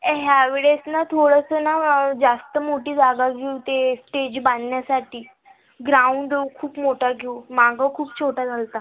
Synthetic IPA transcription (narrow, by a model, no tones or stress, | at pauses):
ɦjaʋeɭesnat̪ʰoɽəsənad͡zast̪əmoʈiːd͡zaɡaɡʱeut̪esʈed͡ʑbannjasaʈʰiː | ɡɾauɳɖkʰuːpmoʈaɡʱeumaɡʱakʰuːp̚t͡ɕʰoʈad͡zʱalt̪a